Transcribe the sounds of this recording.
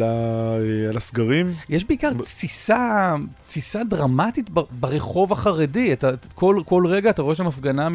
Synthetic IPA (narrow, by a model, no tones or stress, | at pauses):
laealasɡaʁimjeʃbe̞ikaʁfisat͡sfisadʁamatitbabaʁeχo̞vaχaʁediatakolko̞lʁe̞ɡaːtaʁo̞e̞ʃamafɡanam